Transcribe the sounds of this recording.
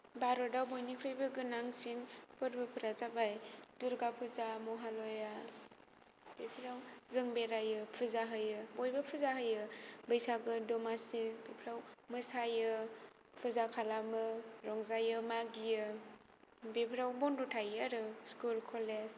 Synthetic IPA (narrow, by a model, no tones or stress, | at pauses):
baɾɔdawbojnikʰɾɯjbɯɡɯnaŋsiŋpɯɾbɯpʰɯɾazabajduɾɡapʰɯzamɔɦalɔja | b̥epʰɾawzɯŋbeɾajɯpʰɯzaɦɯjɯbojbapʰɯzaɦɯjɯbəjsaɡɯdɔmasibepʰɾawmɯsajɯ | pʰuzakʰalamɯɾɔŋzajɯmaɡijɯ | bepʰɾawbɔndɔtʰajaɾɯskulkʰɔlez